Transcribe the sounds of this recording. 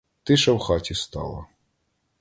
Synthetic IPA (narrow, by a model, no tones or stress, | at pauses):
t̪ɪʃɐwxɑtʲist̪ɑ̰lˠɐ̰